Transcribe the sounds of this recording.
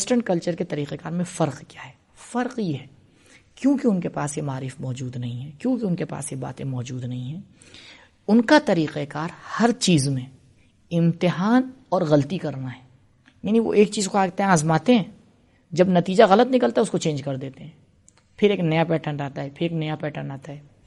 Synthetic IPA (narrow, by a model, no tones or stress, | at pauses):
sʈə̃ɳʈkɐlt͡ʃəɾket̪ɐɾiːqekaːɾmẽfɐɾqkjaːɦɛː | fɐɾqjeɦɛ | kjõːkiʊnkepaːsjemaːɾiːfmɔːd͡ʒuːd̪nɐɦĩɦɛkjõːkiʊnkepa̰ːsjeba̰ːt̪ẽmɔːd͡ʒuːd̪nɐɦĩɦɛ̃ː | ʊnkat̪ɐɾiːqekaːɾhɐɾt͡ʃiːzmẽ | ɪ̃mt̪ɪɦaːn | ɔːɾɣɐlt̪ikɐɾnaɦɛː | jaːniʋo̰ʔeːkt͡ʃiːzkoaːɡt̪eɦɛ̃aːzmaːt̪ẽɦɛ̃ː | d͡ʒɐbnɐt̪iːd͡ʒaɣɐlət̪nɪkəlt̪aɦɛʊskot͡ʃẽːnd͡ʒkɐɾd̪eːt̪eɦɛ̃ː | pʰɪɾeːknɐjapɛːʈənɾaːt̪aɦɛpʰɪɾeːknɐjapɛːʈənaːt̪aɦɛː